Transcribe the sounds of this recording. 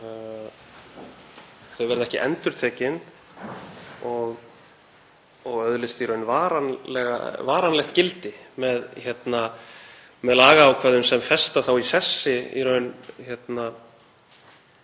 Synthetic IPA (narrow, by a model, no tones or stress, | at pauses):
θœɥvɛɾðɛhcɪʔɛ̰nt̪ʏɾ̥t̪ʰɛːcɪn | ɔɣ | ɔɣœðlɪst̪iɾœɥnvaːɾanlɛɣa̰vaːɾanlɛxt̪cɪlt̪ɪmɛðçjɛt̪na | mɛðlaːɣaːwkʰvɛːðʏmsɛmfɛst̪aθawisɛ̥sːɪḭɾœɥnçɛt̪na